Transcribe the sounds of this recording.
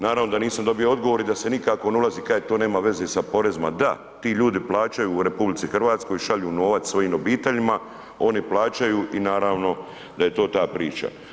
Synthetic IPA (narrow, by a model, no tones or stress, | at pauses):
naːɾaːʋnod̪aniːsamd̪o̞bijo̞o̞d̪ɡoʋo̞ɾid̪ase̞nikako̞neulaziːkajet̪oːne̞ːmaʋe̞zesapo̞ɾe̞zma̰d̪a | t̪iːʎuːd̪iplˠaːt͡ʃajuːɾe̞publit̪sixr̩ʋaːt̪sko̞jʃaʎuːno̞ːʋat̪sʋo̞jiːmobiːt̪e̞ʎima | o̞niplˠaːt͡ʃajuʔinaːɾaːʋno̞ | d̪ajet̪o̞ːt̪aːpɾiːt͡ʃa̰